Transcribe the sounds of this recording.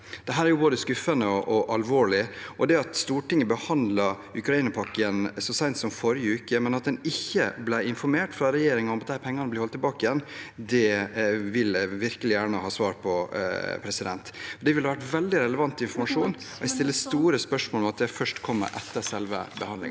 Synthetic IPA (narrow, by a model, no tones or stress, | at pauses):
d̪̥ɛɦæːɾæɾjʊboːd̪əskʉfːənəɔʔɔʔɑlʋoːɭɪʔɔd̪ɛɑt̪st̪uːʈɪŋːəbəhɑnd̪lɑɾ | ʉkɾɑiːnəpʰɑkːənsɔsæɪnt̪sɔmfɔɾɪjəʉːkəmɛnɑt̪̚d̪ɛnɪçːə̰blæɪɪnfɔɾmeːʈfɾɑɾɛjeːɾɪŋəɔmɑt̪d̪æɪpʰɛŋːɑnəblɪhɔlt̪ːɪlbɑːkɪjɛnːd̪ɛʋɪlʋɪɾkəlɪjæːɳəhɑːsʋɑːɾpʰɔpʰɾɛsɪd̪ɛ̰nt̪ɔɖ̪ɛʋɪlɑʋæʈʋɛld̪ɪɾɛləʋɑnt̪ːɪnfɔɾmɑʂuːn | ɔɛst̪ɪlːəst̪uːɾəspœʂmoːlɔmɑt̪̚d̪ɛfœʂʈkʰɔmːə̰ɾʔɛ̰t̪ːəɾsɛlʋə̰bəhɑnd̪lɪ̰ŋ